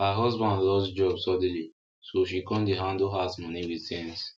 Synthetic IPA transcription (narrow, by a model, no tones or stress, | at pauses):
həɦɔzbãndlɔsd͡ʒɔbsɔd̃li | soʃ̬ikɔ̃ndeɦãndlɦasmɔniwiðsɛ̃ns